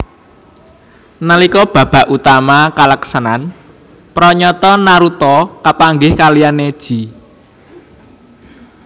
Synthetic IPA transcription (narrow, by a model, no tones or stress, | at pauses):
nalikɔb̥ä̤b̥a̤ʔut̪amakalaksanan | pɾɔɲɔt̪ɔnaɾut̪ɔkapaŋɡɪhkalianed̥ʒ̥i̤